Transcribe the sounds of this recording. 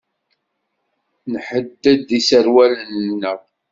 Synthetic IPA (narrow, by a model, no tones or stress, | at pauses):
nħəd̪ːæd̪isəɾwælənnəʁ